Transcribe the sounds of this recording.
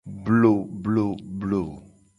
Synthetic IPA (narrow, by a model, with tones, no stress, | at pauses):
blo˨blo˦˨blo˨